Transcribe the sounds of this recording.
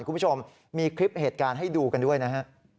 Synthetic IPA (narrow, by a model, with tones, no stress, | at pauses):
nkʰu˧mpʰu˥t͡ɕʰo˧m | miː˧kʰɾi˦˥p̚heː˨˩t̪̚kaː˧nɦa˥˩jduː˧ka˧ndu˥˩əjna˦˥kʰa˦˥ʔ